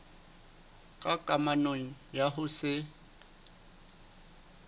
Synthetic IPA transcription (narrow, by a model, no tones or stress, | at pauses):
kʼakʼamanoŋ̩jaɦʊsɪ